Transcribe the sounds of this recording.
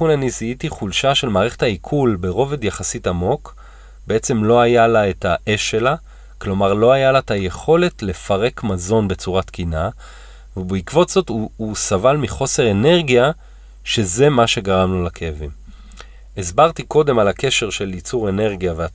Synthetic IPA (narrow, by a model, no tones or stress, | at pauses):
unaniziitiχulʃaʃe̞lmaːʁeχe̞̥thaikʰulbe̞ʁo̞ve̞d̪jaχasitamo̞k | be̞et͡se̞mlo̞ajalaetaʔe̞ʃːe̞la | klo̞maʁloajalataje̞χo̞le̞tle̞faʁe̞kmazo̞nbe̞t͡suʁatkina | vebeikvo̞tz̥o̞tuusavalmiχo̞se̞ʁene̞ʁɡija | ʃe̞ze̞maʃe̞ɡaʁamnolakʰejavim | esbaʁt̪iko̞de̞malake̞ʃe̞ʁʃe̞lit͡suʁe̞ne̞ʁɡijavea